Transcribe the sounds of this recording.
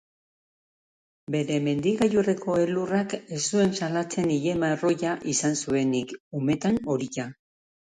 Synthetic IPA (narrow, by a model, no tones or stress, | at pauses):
be̞ɾe̞me̞nd̪iɣajurekʰo̞e̞lurake̞st̪ue̞nsalat͡se̞niʎe̞maro̞ʝaʔisansue̞nikume̞t̪ano̞ɾiʝa